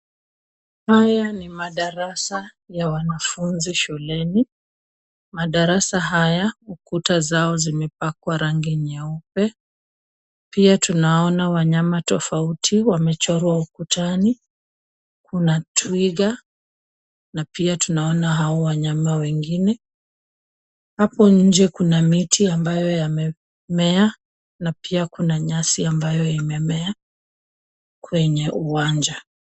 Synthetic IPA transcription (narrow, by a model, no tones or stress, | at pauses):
hajanimaɗaɾasa | jawanafunziʃulɛni | maɗaɾasaɦajaukutazaɔzimɛpakwaɾaŋɡiɲaupɛ | piatunaɔnawaɲamatɔfautʰiwamɛt͡ʃɔɾwaukutani | kunatwiɣa | napiatunaɔnaɦaɔwaɲamawɛŋɡinɛ | hapɔɲ̩d͡ʒɛkunamitʰiambajɔjamɛ | mɛa | napʰiakunaɲasiambajɔimɛmɛa | kwɛɲɛʔuwaɲd͡ʒa